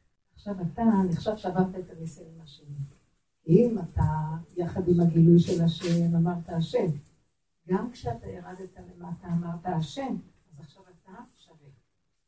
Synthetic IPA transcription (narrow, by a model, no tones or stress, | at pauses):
aχʃavataneχʃavʃavavt̪aet̪ameseimaʃeni | imatajaχad̪imaɡilujʃe̞laʃe̞mamaʁt̪aːʃe̞m | ɡamkʃeat̪ajeʁad̪et̪alemaːtaːmaʁtaaʃe̞m | azaχʃavat̪aʃavet